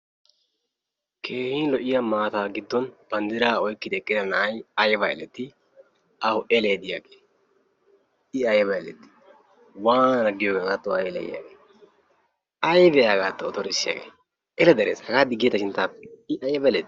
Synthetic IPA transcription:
kʰeːhiːnlɔʔɪjamaːt̪aːɡɪd̪ːɔnb̥ɐnd̪ɪɾaːɔjkːɪd̪ɛkʼːɪd̪ɐnɐʔɐjɐjbɐɛ̰lɛt̪ːɪ | ɐhʊɛleːd̪ɪjaɡeː | ɪɐjbɐɛlɛ̰t̪ːɪ̥ | waːnɐnɐɡɪjoːɡɡaːt̪ːɔɐjlɛ̰jɪ̰ja̰ːɡeː | ɐjbɛjaːɡaːt̪ːɔɔt̪ɔɾɪsːɪja̰ːɡḛː | ʔɛlɛd̪ɐɾḛːshɐɡaːd̪ɪɡːɪɛt̪ːɐʃɪnt̪ːaːpːɛ̥ɪʔɐjbɐɛlɛt̪

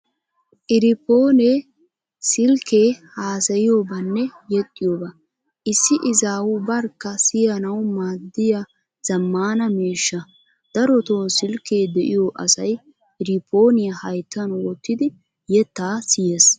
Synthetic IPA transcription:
ʔɪɾɪpo̞ːne | sɪlkʰeːhaːsɐjɪjoːbɐnːɛjɛt̪ʼːɪjoːbɐ | ʔɪsːɪʔɪzaːwʊbɐɾkːɐsɪjɐnɐwmaːd̪ːɪja | z̥ɐmːaːnɐmeːʃːɐ | d̪̥ɐɾɔt̪oːsɪlkːe̞ːd̪ɛʔɪjoʔɐsɐj | ʔɪɾɪpʰːo̞ːnɪjɐhɐjt̪ːɐnwɔt̪ːɪd̪ɪ | jɛt̪ːaːsɪje̞ːs

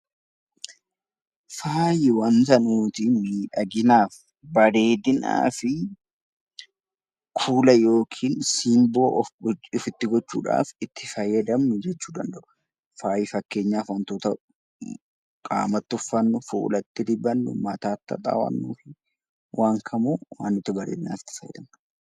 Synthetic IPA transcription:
faːjɪwɐnzɐnuːt̪ɪmiːᶑɐɡɪnaːf | bɐɾeːd̪ɪna̰ːfɪ | kʰuːlɐjo̞ːkʰiːnsiːmbo̞ːɔfɪt̪ːɪɡɔt͡ʃːuːᶑa̰ːfɪt̪ʰːɪfɐjːɐd̪ɐmnʊd͡ʒɛt͡ʃːuːd̪ɐnd̪ɐʔʊ̥ | faːjɪfɐkːe̞ːɲːaːfwɐnt̪oːt̪ɐ | kʼa̰ːmɐt̪ːʊfːɐnːʊfṵːlɐt̪ːɪdɪbɐnːʊ̰mɐt̪aːt̪ːɐ̰t̪ʼa̰ːwɐ̰nːuːfɪ | wʔaːŋkʰɐmuːwaːnːɪt̪ːɪbɐɾḛːd̪ɪna̰ːfɪ̥t̪ːɪ̥fɐj̰d̪ɐm

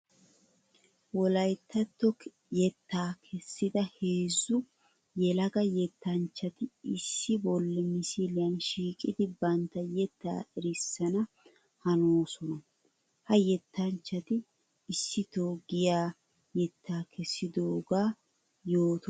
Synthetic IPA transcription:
wɔlɐjt̪ʰːɐt̪ːɔ | jɛt̪ːaːkʰɛsːɪd̪ɐheːzːʊ | jɛlɐɡɐjɛt̪ːɐnt͡ʃːɐt̪ɪɪsːɪbɔlːɛmɪsilɪjɐnʃiːkʼɪd̪ɪbɐnt̪ːɐjɛt̪ːa̰ːʔɛɾɪsːɐnɐ | hɐnoːsɔnɐ | hɐjɛt̪ːɐnt͡ʃːɐt̪ɪː | sːɪt̪oːɡɪjaː | jɛt̪ːaːkʰɛsːɪd̪oːɡaː | jo̞ːt̪

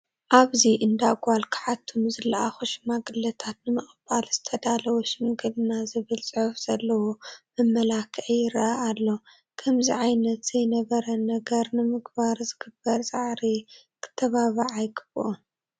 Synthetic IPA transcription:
ʔaβziʔɨnd̪aɡʷalkʰɨ̥ħat̪ʰːunɨzɨlːɐʔaxoʃmaɡɨlːɐt̪ʰat̪nɨmɨχʼɨbalz̥ɨt̪ʰɐd̪alɐwuʃɪmɡɨlɨnazɨβɨlt͡sʼɨħufz̥ɐlːɐwumɨmːɐlakʰʕijɪɾɐʔʔalːo̞ | kʰɐmziʕajnɐt̪z̥ɐjnɐβɐɾɐnɐɡɐɾnɨmɨɡbaɾzɨɡɨbːɐɾzʼaʕɾi | kʰɨ̥t̪ʰːɐβaβɨʕajɡɨbʔo

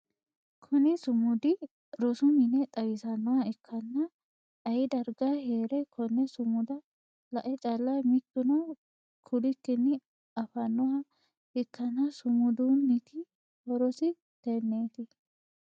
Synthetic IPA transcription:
kʰɔnɪsʊmʊd̪ɪ | ɾɔsʊmɪnɛt̪ʼɐwɪsɐnːɔhɐɛkʰːɐnːɐ | ɐjɪd̪ɐɾɡaheːɾɛkʰɔnːɛsʊmʊd̪ɐ | lɐʔɛt͡ʃʼɐlːɐmɪt̪ːʊnɔ | kʰʊlɪkːɪnːɪ | ɐfɐnːɔhɐ | ɪkːɐnːɐsʊmʊd̪unːɪt̪ɪ | hɔɾɔsɪ | t̪ɛnːeːt̪ɪ

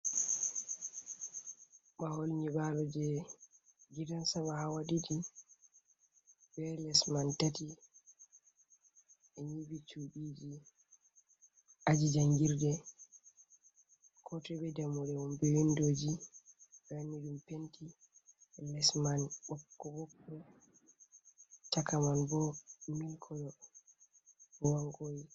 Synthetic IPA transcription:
ɓaholɲibalɔd͡ʒɛ | ɡidansaɓahawaɗidi | bɛlɛsmantati | ʔɛɲibit͡ʃuɓiːd͡ʒi | ʔad͡ʒid͡ʒaŋɡiɾdɛ | kʰɔtɛɓɛdɛmɔɾɛɔmbɛwindoːd͡ʒi | ɓanːiɗumpenti | lɛsmanɓɔkːɔɓɔbːɛ | takamanbɔmilkʰɔɗɔ | waŋɡoji

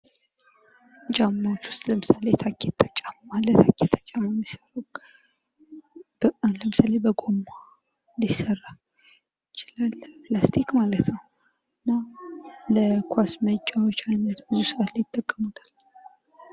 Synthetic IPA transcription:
d͡ʒʼamːawot͡ʃːwʊ̥st̪ləmɨsalet̪ʰakʰːet̪ʰːat͡ʃʼammalːət̪ʰakʰːet̪ʰːat͡ʃʼːamanːisəraw | ləmɨsalebəɡo̞mːa | lisərːa | ɪt͡ʃɪlalplast̪ʰikmalət̪nəw | ɨnːaləkʰwasmət͡ʃʼːawot͡ʃːajnət̪mɨusɨat̪ljɪt̪ʼːəɡʼːəmut̪ʰḁl

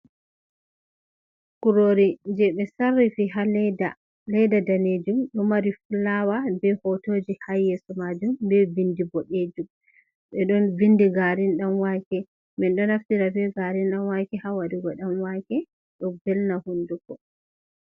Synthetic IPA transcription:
kuɾoɾiɲd͡ʒɛɓɛsarːifiɦalɛda | lɛdadaned͡ʒumɗɔmaɾifulːawabɛhɔtod͡ʒihajɛsɔmad͡ʒumbɛvindibɔɗed͡ʒum | ɓɛɗɔnvindiɡaɾinɗanwakɛ | mɛnɗɔnaftiɾabɛɡaɾinɗanwakɛhawaɾiɡɔɗamwakɛ | ɗɔbɛlnahundukɔ

